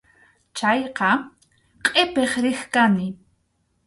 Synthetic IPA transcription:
t͡ʃajqɑ | qʼepeχɾixkani

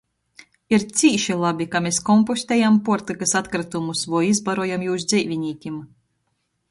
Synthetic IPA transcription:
iɾt̪sʲiːʃilˠabʲikameskɔmpɔsʲt̪ʲɛjampuɔɾt̪ɨkasat̪kɾat̪umusvuːizbaɾuɔjamjuːsd̪zʲɛjvʲinʲiːkʲim

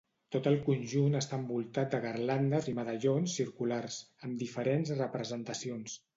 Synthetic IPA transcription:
t̪ot̪əlˠkunʲʒunəst̪ambulˠt̪at̪̚d̪əɣərland̪əziməðəʎonsːiɾkularsəmd̪ifəɾenzrəpɾəzənt̪əsions

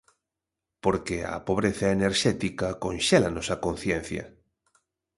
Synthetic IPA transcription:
poɾkeɐ̰poβɾeθɐeneɾʃɛt̪ikɐkonʃɛlanɔsɐkonθjɛn̟θjɐ̰

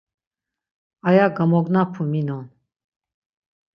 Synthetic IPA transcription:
ajaɡamɔɡnapʰuminɔn

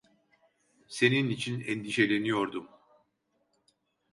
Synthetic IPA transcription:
se̞ninit͡ʃʰinɛnd̪iʃe̞lʲe̞nijo̞ɾd̪um

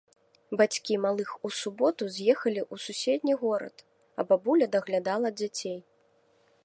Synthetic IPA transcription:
bat͡sʲkʲimalˠɨxusubɔt̪uzʲjɛxɐlʲiʔususʲɛd̪ʲnʲiɣɔɾɐ̰t̪ | ɐ̰bɔbulʲɐd̪ɐɣlʲad̪alˠɐd͡zʲat͡sʲej

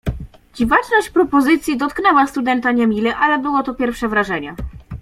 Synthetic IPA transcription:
d͡ʑivat͡ʂnɔɕt͡ɕpɾɔpɔzɘt̪sʲjid̪ɔt̪knɛwast̪ud̪ɛnt̪aɲɛmʲilɛʔalɛbɘwɔt̪ɔpʲjɛɾfʂɛvɾaʐɛɲɛ

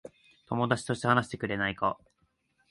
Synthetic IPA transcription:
t̪o̞mo̞d̪at͡ɕi̥t̪o̞ɕi̥t̪e̞hanaɕi̥t̪e̞kɯ̟ɾe̞naika

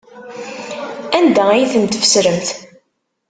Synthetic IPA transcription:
ænd̪æijθənt̪əfə̥sɾəmθ

